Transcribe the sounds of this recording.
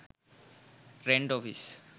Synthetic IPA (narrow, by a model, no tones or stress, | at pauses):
ɾẽɳɖɔfis